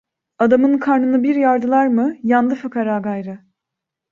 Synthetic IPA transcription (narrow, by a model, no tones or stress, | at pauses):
ad̪amɯnkʰaɾnɯnɯbiɾjaɾd̪ɯlˠaɾmɯjand̪ɯfakaɾaːɡajɾɯ